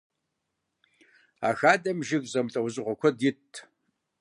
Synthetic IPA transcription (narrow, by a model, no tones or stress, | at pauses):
a̰xaːdʼɐmʒɪɡʼzɐmtʼɐwzɨʁʷɔkʷʰɐdjɪtʼʰː